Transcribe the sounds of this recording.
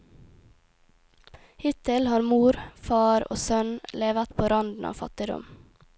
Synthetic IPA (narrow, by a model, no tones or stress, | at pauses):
hɪt̪ɪlhɑːɾmuːɾfɑːɾo̰ːsœnleːʋət̪pʰoːɾɑnd̪n̩ʔɑ̰ːfɑ̰t̪ɪd̪ɔ̰m